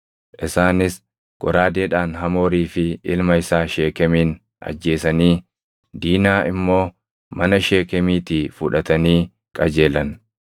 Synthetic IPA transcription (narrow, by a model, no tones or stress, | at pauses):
ʔɪsaːnɪs | ɡ̥ɔɾaːd̪eːᶑaːnɦɐmo̞ːɾiːfɪɪlmɐɪsaːʃe̞ːkɛmiːn | ʔɐ̰d͡ʒːe̞ːsɐniː | d̪iːnaːɪmːo̞ː | mɐnɐʃe̞ːkɛmiːt̪iːfʊᶑɐt̪ɐniː | kʼɐd͡ʒe̞ːlɐn